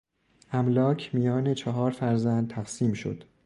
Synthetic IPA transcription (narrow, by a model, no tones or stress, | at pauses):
ʔæmlɒːcʰmijɒːne̞t͡ʃʰɒɦɒːɾfæɾzænd̪̚t̪ʰæqsiːmʃo̰d̪̥